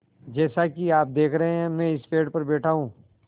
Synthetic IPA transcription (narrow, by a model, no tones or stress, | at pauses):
d͡ʒɛːsakiaːp̚d̪eːkʰɾɐɦeɦɛ̃mɛ̃ɪspeːɖpɐɾbɛːʈʰaɦũː